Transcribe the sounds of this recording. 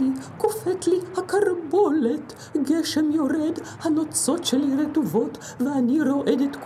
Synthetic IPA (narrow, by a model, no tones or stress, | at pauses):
ikofet͡slihakaɾbolet̪ | ɡeʃemjoɾed̪ | hanot͡so̞t̪ʃeliɾet̪uvo̞t̪ | veaniɾo̞ʔed̪et̪k